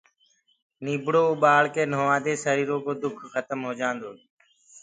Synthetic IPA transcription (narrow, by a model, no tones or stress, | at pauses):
niːbɽoːʊɓaːɭkeːnoːʋãːd̪eːsəɾiːɾoːkoːd̪ʊkʰxət̪əmɦoːd͡ʒãːnd̪oː